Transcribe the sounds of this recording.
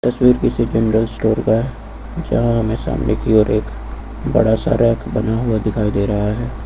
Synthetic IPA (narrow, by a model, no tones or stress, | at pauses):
t̪ɐswiːɾkised͡ʒenɾəlsʈoːɾkaɦɛ | d͡ʒɐ̰ɦãɦɐmẽsa̰ːmnekiɔːɾʔeːk | bɐ̰ɽasa̰ɾʔɛːkʰbɐnaɦʊad̪ɪkʰaːid̪eːɾɐɦaɦɛː